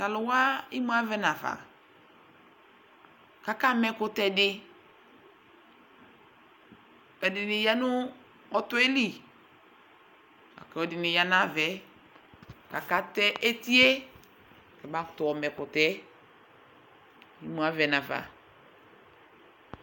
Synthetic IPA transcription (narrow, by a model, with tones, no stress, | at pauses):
ka˨lʊ˨wa˦i˦mu˦a˦vɛ˦na˨va̰˨ | ka˨ka˦mɛ˨kʊ˨tɛ˨dɪ˦ | ɔ˨dɪ˨nɪ˨ja˦nʊ˦ | ɔ˦tu˦e˦li˨ | a̰˨kɛ˨ɔ˨dɪ˨nɪ˨ja˨na˦vɛ˨ | ka˨ka˦tɛ˦ʔe˦ti˦e˦˨ | kɛ˨ba˦ktɔ˨ɔ˨mɛ˨kʊ˨tɛ˦ | i˦mu˨a˦vɛ˨na˨va̰˨